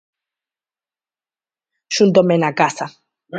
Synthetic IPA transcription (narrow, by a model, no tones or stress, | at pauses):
ʃund̪ɔmenaɡasa